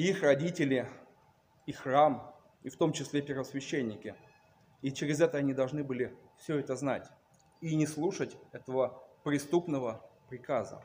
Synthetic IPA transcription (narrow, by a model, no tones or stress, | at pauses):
ixrɐdʲitʲɪlʲɪ | ixram | ift̪o̞mt͡ɕɪsʲlʲepʲɪrvəsvʲɪɕːenʲːɪkʲɪ | it͡ɕɪɾʲɪzɛt̪əɐnʲid̪ɐlˠʐnɨbɨlʲɪfsʲɵɛt̪əznatʲ | inʲɪslˠuʂətʲɛt̪əvəpɾʲɪst̪upnəvəpɾʲɪkazə̰